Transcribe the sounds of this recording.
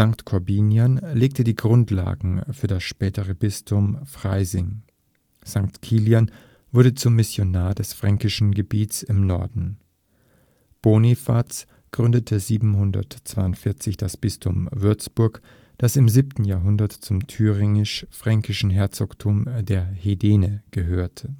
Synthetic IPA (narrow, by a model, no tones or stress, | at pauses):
z̥aŋktkʰɔɐbiːnjanleːk̚tədiːɡʁʊntʰla̰ːɡŋ̩fyːɐdasʃpɛːtəʁəbɪstʰʊmfʁ̥aɪzɪŋ | z̥aŋktkʰiːljan | v̥ʊɐdət͡sʊmːɪsjonaːɐdɛsfʁ̥aŋkɪʃn̩ɡəbiːtt͡sɪmnɔɐdn̩ | b̥oːnifat͡s | ɡ̥ʁʏndətʰəziːbm̩ɦʊndɐ̰tt͡sv̥aɪʊntfɪɐt͡sɪçd̥asb̥ɪstʰʊmvʏɐt͡sb̥ʊɐk | d̥asɪmziːp̚tn̩jaːɐɦʊndɐtt͡sʊmtʰyːʁɪŋɪʃfʁ̥aŋkɪʃn̩ɦɛɐt͡sɔktʰuɐmdeːɐhedeːnəɡ̥əɦøːɐtʰə